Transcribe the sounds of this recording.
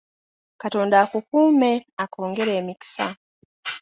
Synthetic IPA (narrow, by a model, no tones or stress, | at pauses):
katoːndaːkukuːme̞akʰo̞ːŋɡe̞ɾe̞ːmiki̥sa̰